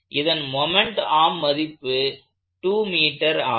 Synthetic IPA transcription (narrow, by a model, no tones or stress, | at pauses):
ʔɪðɐnmɔmɛɳʈaːmːɐðɪpːɯ | ʈuːmiːʈːɐɾaː